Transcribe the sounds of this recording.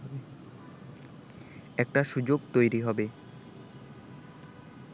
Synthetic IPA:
be | ɛk̚ʈaʃud͡ʑoɡt̪ojɾiɦɔbe

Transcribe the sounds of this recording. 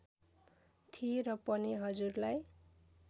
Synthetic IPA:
t̪ʰieɾʌpʌniɦʌd͡zurlaj

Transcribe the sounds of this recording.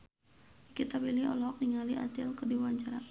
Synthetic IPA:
kit̪abiliɦɔ̰lɔk̚niŋaliʔa̰t̪ɪlkərdiwaɲt͡ʃaɾa

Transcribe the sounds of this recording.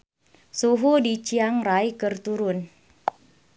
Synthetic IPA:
suɦudit͡ʃiaŋrajkɨrt̪uɾʊn

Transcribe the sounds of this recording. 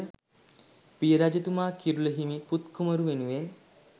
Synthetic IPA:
pijəɾad͡ʒət̪umaːkiɾuləɦimiput̪kuməɾuʋenuʋen

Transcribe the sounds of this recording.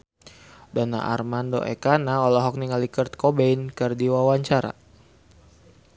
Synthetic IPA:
dɔna̰ʔa̰rmando̰ʔɛ̰kanaɔlɔɦɔk̚niŋalikərt̪̚kɔbeinkɨrdiwawaɲt͡ʃaɾa̰

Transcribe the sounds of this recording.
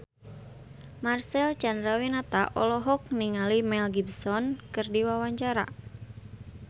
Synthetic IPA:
marsɛlt͡ʃandɾawinat̪aʔɔlɔɦɔk̚niŋalimɛlɡibsɔnkɨrdiwawaɲt͡ʃaɾa̰

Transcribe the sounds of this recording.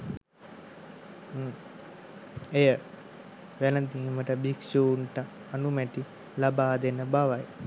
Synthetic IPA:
ejə | ʋæləd̪iːməʈəbiksuɳʈə | anumɛt̪i | labaːd̪enəbaʋaj

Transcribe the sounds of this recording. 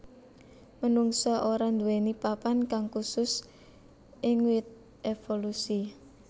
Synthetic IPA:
mənuŋsɔʔoɾand̪uwenipapankaŋkusʊs | ɪŋwɪt̪̚ | ʔefolusi

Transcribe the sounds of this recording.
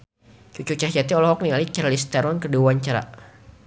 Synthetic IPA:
t͡ʃut͡ʃut͡ʃahd͡ʒat̪iɔlɔhɔk̚nialit͡ʃaɾalist̪aɾɔnkəduwaɲt͡ʃaɾa̰

